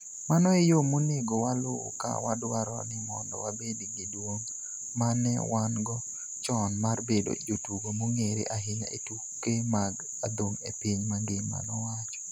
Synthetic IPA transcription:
manɔejomoneɡowalo̰ːka̰wadwaɾɔ̰nɪmɔndɔ̰wabediɡɪdwoŋ | manɛ̰wanɡɔ | t͡ʃɔnmarbedo̰d͡ʒotuɡomoŋeɾḛʔaɦɪɲa̰ʔetu | kːemaɡ | ad̪oŋepiɲmaŋɡema̰nɔwat͡ʃɔ̥

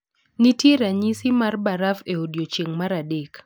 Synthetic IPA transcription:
nitiɾaɲisimarbaɾafeodjot͡ʃeŋmaɾadek

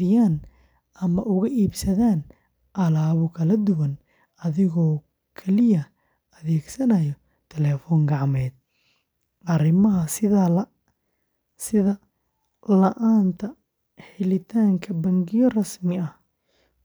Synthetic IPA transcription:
ɪjaːn | ɐmɐʔʊɣɐʔiːbsɐðaːn | ʔɐlaːβʊkʰɐlɐd̪ʊwɐn | ɐðɪɣɔː | kʰɛlɪjɐ | ɐðɛːɡsɐnɐjɔ | t̪ʰɛlɛːfɔːŋɡɑʕmɛːd̪̚ | ʔɐrɪmɐɦɐsɪɐ | sɪðɐ | lɐʔaːnt̪ʰɐ | ħɪlɪt̪ʰaːŋkʰɐbɐŋɡɪjɔrɐsmɪɐh

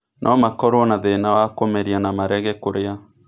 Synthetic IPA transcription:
nʔɔmakɔɾonaðenawakomɛɾianamaɾɛɣɛkoɾea

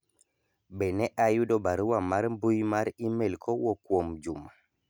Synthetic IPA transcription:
bɛnɛʔajudɔbaɾuwamaɾmbujmaɾimelkʰɔwɔkwomd͡ʒuma

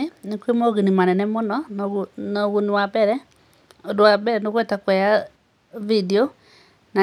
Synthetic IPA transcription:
enekwemoɣinimanɛnɛmonɔnɣnɔɣunwabɛɾɛ | odwabɛɾɛnoɣwetakwɛa | video | na

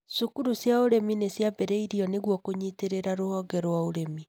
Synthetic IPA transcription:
sukuɾusjaoɾeminesjabɛɾɛiɾiɔneɣwɔkoɲiteɾeɾaɾohɔɡɛɾwaoɾemi

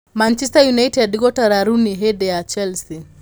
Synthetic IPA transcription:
mant͡ʃɛstajunaitɛdiɡɔtaɾaɾuniɦɛdɛat͡ʃɛlsi

